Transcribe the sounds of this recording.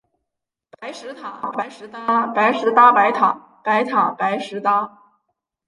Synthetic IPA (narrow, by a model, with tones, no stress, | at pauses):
pa˧˥ɪʂɻ̩˧˥t̪ʰa˨˩˦pʂ̩˧˥a˥pa˧˥ɪʂɻ̩˧˥t̪a˥pa˧˥ɪt̪ʰɑ̰˨˩˦ŋ | pa˧˥ɪt̪ʰɑ˨˩˦pa˧˥ɪʂɻ̩˧˥t̪a˥